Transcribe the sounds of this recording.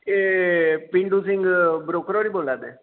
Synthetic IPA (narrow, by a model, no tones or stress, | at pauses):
epɪ̃ɳɖus̬ɪ̃ŋɡbɾoːkɾɔːɽiːboːlaːd̪eː